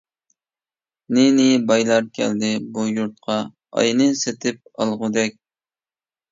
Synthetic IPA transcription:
nɪnɪbɑjlˠɑɾkʲʰɛ̰ld̪ɪbujuɾt̪̚qʰɑ | ɑ̰jnɨset̪ʰɪp̚ɑ̰lˠʁʊd̪ɛk̚ʲ

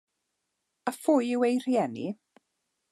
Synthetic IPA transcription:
əfʊjɪwejrjɛnḭ

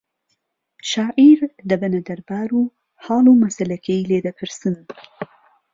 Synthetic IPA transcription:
ʃɑːʔiɾd̪ɐbɐnɐd̪ɐɾbaːɾuː | hɑːlumɐsɐlɐkʰeileːd̪ɐpʰɨɾsɨn

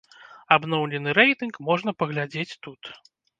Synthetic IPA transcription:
abnɔwlʲɛnɨɾɛjt̪ɨnkmɔʐnɐpɐɣlʲad͡zʲet͡sʲt̪ut̪

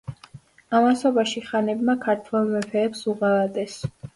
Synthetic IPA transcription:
amasɔbaʃiχanɛbmakʰaɾt̪ʰwɛlˠmɛpʰɛːpsuʁalad̪ʼɛs

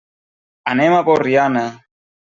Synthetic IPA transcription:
anɛmapɔɾiana

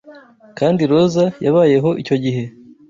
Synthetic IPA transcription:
kaːndiɾo̞zajaβaːje̞ɦo̞ʔico̞ɟiɦe̞

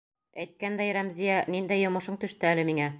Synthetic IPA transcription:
æjt̪̚kænd̪æjɾæmzijænind̪æjːŏmɤ̆ʃɤɴt̪ɵ̆ʃt̪ɘælɘmiŋæ

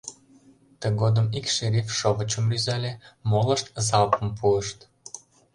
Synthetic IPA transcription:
t̪əɣod̪əmikʃeɾifʃoβət͡ɕəmlyzɑlʲemoləʃt̪zɑlpə̆mpuəʃt̪

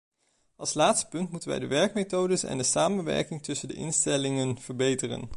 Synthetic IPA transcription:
ɑlˠslaːtstə̥pɵntmutənʋɛ̰jdəʋɛɹk̚mejtowdəsɛ̰ndəsaːmənʋɛ̰ɹkɪŋtɵsəndə̰ʔɪ̰nstɛlɪŋənv̥əɹbejtərə̰n

